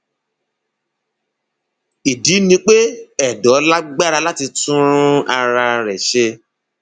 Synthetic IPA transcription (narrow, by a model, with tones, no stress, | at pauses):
i˨di˨˦nĩ˧k͡pe˦ɛ˦˨dɔ˨˦la˦ɡ͡ba˦ɾa˧la˦ti˧tũ˦ɾ̃ũ˦a˧ɾa˧ɾɛ˨ʃe˧